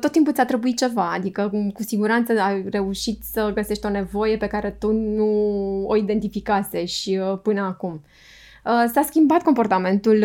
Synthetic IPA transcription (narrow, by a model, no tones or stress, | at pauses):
t̪ːot̪ːimp̬ut̪sʲat̪ɾebuit̪̚t͡ʃe̞vaad̪ikəkusiɡuɾant̪səare̞uʃit̪ʲsəɡəse̞ʃt̪ʲo̞ne̞vo̞je̞pe̞kaɾe̞t̪unuoid̪e̞nt̪ifikase̞ʃpɨnəakum | əsaskʲimbat̪̚ko̞mpo̞rt̪ame̞nt̪ul